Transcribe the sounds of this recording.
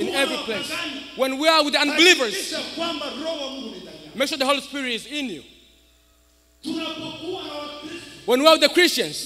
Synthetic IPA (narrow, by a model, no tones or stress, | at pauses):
ĩnɛvɹipleɪswɛ̃nwia˞wɪðãnbilivə˞zkwambaɾɔwamekʃuɹðəholispiɹitɪzɪ̃njṵ | n | wɛ̃nwiawɪðəkɹ̥ist͡ʃãnz